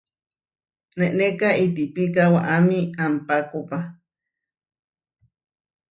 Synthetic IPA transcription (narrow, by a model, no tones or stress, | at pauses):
neʔnekait̪ipikawaʔamiampakopa